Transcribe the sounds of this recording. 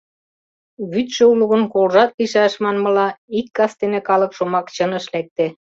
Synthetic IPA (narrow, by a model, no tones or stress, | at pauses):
βyt̪ʃø̆uluɣə̆nkolʒɑt̪̚liʃæʃmɑnmɤ̆lɑikːɑst̪enekɑlɤ̆kʃomɑkt͡ɕɤ̆nə̆ʃlæk̚t̪e